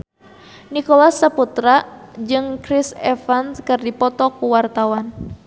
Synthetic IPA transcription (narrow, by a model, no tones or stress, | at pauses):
nikolasːəput̪ɾad͡ʒɨŋkɾisɛfanskɨrdipɔt̪ɔkuwart̪awan